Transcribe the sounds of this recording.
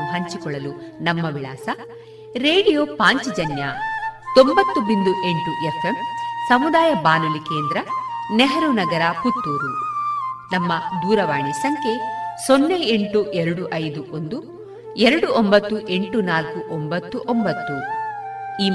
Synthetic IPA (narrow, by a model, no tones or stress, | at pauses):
ɦɐɲt͡ʃikɔɭːɐlunɐmːɐʋiɭaːsɐ | ɾeːɽijoːpaːɲt͡ʃid͡ʒɐnjat̪ombɐt̪ːubind̪uʔe̞ɳʈuʔefemsɐmud̪aːjɐbaːnulikeːnd̪ɾɐneɦɐɾunɐɡɐɾɐput̪ːuːɾu | nɐmːɐd̪uːɾɐʋaːɳisɐŋkʰe̞sonːɐjeɳʈuʔɛɾɐɽuʔɐjd̪uʔond̪u | ɛɾɐɽuʔombɐt̪ːuʔe̞ɳʈunaːlkuʔombɐt̪ːuʔombɐt̪ːu | iː